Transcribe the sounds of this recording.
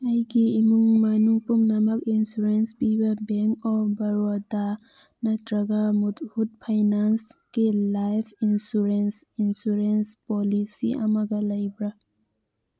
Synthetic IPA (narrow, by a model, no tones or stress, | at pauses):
ajkeimuŋmanupumnamakinsuɾenspibabɛŋkɔbɐɾuad̪a | nadɾaɡamut̪hut̪̚pʰajnanskelajpʰinsuɾensinsuɾenspɔlisiʔa̰maɡalajbɾa